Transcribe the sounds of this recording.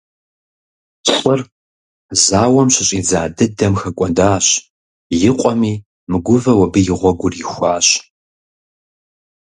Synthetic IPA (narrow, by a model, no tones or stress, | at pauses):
ɕʼɨr | zaːwɔmɕɪɕʼiːd͡zaːdɨdɐmxɐkʷʼɔndaːɕ | jɪqʷʼɔmiː | mɨɡʷʊvɐwɐbɨjɪʁʷɔɡʷʊrjɪxʷaːɕ